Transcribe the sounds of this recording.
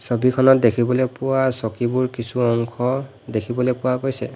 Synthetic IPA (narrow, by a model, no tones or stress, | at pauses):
sobikʰɔnɔt̚dekʰibɔlɛpʊwasɔkibuɹkisuɔŋkʰɔ | dekʰibɔlɛpʊwakojsɛ